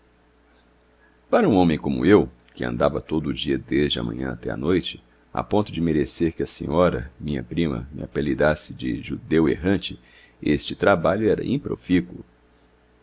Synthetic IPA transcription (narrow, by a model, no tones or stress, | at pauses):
paɾɐũõmẽj̃kõmʊ̰ew | kɪɐ̰̃nd̪avɐt̪od̪ʊːd͡ʒiɐd̪ezd͡ʒɪɐ̰mɐ̰̃ɲɐ̰̃at̪ɛa̰nojt͡ʃɪ̥ | a̰põnt̪ʊd͡ʒɪmeɾeseɾkɪɐsḛ̃ɲɔɾɐmĩɲɐ̰pɾĩmɐ̰mɪɐ̰pelid̪asɪd͡ʒɪ̰ʒud̪eweɦɐ̃t͡ʃɪ | est͡ʃɪt̪ɾabaʎʊɛɾɐ̰ʔĩpɾo̰fikulʊ